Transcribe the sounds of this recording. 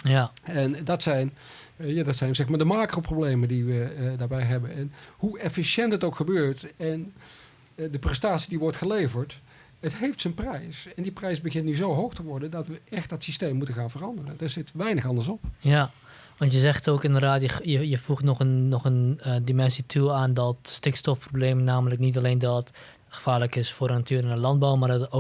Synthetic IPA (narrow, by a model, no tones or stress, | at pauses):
jaɛndɑtsɛjn | jaːdɑtsɛjnzɛxmaːɹdəmaːkroːproblejmədiʋədaːɹbɛjɦɛbənɛnhuɛfisjɛntɦətowkxəbøːɹtɛn | dəprɛstaːtsidiʋɔɹtxəlejvəɹt | ətɦejftsənprɛjsɛndiprɛjsbəɣɪntnyzowɦowxtəʋɔɹdəndɑtʋəʔɛxt̚dɑtsisteːmːutəxaːnvərɑndərəndaːɹzɪtʋɛjnəxɑndəɹsɔpja | ʋɑ̃ntjəzɛxtoːkɪndərdaːtjəjəjəfuxtnɔχənːɔxəndimɛnsitʰuaːndɔtstɪkstɔfprobleːmənːaːmələknitaleːndɔt | xə̥faːɹləkɪsfʊːdənatʰyːɾɪnəlɑnd̚bɔwmaːɹdɔto